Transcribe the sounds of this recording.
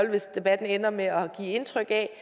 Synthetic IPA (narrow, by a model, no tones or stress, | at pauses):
l̰ʋe̝sd̥e̝b̥æd̥n̩enɐmeɒ̽ɡ̥ḭːe̝nt͡sʰʁœɡ̥ɛ